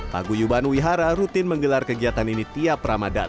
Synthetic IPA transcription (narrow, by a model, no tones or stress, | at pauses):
pa̰ɡujubanwiɦaɾaɾut̪ɪnməŋɡəlarkəɡiat̪aninit̪iapɾamada̰